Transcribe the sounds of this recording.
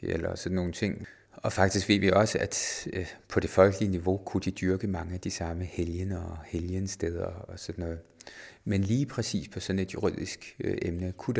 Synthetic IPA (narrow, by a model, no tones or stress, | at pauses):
ḛlɐ̰sɒ̽d̥nːo̝ːn̩t͡sʰe̝ŋ̰ | ɒ̽fɑ̈ɡ̥̚d̥isɡ̥ʋe̝ːʋiɒ̽səʔæd̥pʰɒ̽d̥e̝fɒ̽lɡ̥əliəniʋo̝kʰud̥id̥yɐɡ̥əmɑ̈ŋəæd̥isɑ̈məheljənɒheljənsd̥eð̞ˠɐɒ̽sɒ̽d̥nɔ̽ːð̩ˠmenliːpʰʁɛsḭːspʰɒ̽sɒ̽ne̝d̥juʁið̞̰ˠisɡ̥ʔemnəkʰud̥